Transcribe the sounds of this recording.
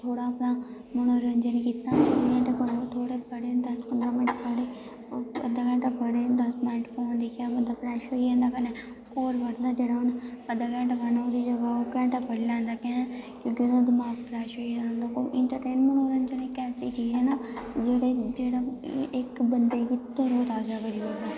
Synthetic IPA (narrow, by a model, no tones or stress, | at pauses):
t̪ʰoːɽaːəpnãː | məñõːɾəɲd͡ʒənkiːt̪aːlɛ̃ːʈapəɡt̪ʰoːɽeːpəɽeːd̪əspənd̪aːməʈpʰəɽeː | ə̰d̪aːkɛ̃ːɳʈaːpʰəɽeːd̪əsmaːʈfʰoːnd̪iːkãːmənd̪aːpʰɾɛːʃɦoːiɛ̃ːnd̪aːkəne | koːɾʋəɽnd̪aːd͡ʒeːɽaːʊnəd̪aːkɛ̃ːɳʈapʰənaoːd̪iːd͡ʒəɡaoːkɛ̃ːɳʈaːpʰəɽilɛ̃ːnd̪aːkɛ̃ːnaːkjõːkiod̪ad̪əmaːɡpʰɾɛːʃɦoːiːãːnd̪aːkoʔɪɳʈəɾʈeːnmənoːɾənd͡ʒeɽẽːkɛːsiːt͡ʃiːɛ̃ːnaːd͡ʒeːɽeːd͡ʒeːɽaːɪkbənd̪eːkit̪oɾoːt̪aːd͡ʒaːɡəɾiːɦoːd̪aː